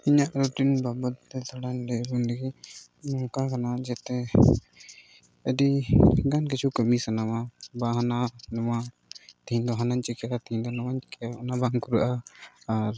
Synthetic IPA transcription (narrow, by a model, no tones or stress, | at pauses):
iɲaʔɾɔʈinbabət̪ːɛt̪aɽanɾɛbund̪ɛɡi | mɔŋkakanad͡ʒɛt̪ɛ | ədiɡank̬it͡ʃʰukəmisanamabaɦananɔma | t̪id̪ɔɦanaɲt͡ʃikɛjat̪id̪ɔnɔmaɲt͡ʃkaɔnabaŋkuɾəʔaː | ɾ